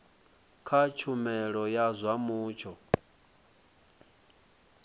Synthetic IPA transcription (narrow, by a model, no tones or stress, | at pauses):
kʰat͡ʃʰumɛɺɔjazʷamuːt͡ʃʰɔ